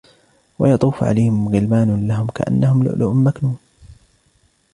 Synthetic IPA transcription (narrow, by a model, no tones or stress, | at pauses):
wɑjɑt̪ˤuːfʕa̰lajhɪmɣɪlmaːnlaɦʊmka̰ʔa̰nːahʊmlʊ̰ʔlʊ̰mːaknuːn